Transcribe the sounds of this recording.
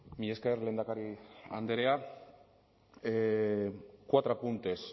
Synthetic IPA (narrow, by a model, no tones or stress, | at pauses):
miʎeskeɾle̞ːnd̪akaɾia̰nd̪eɾea | kwat̪ɾapunt̪es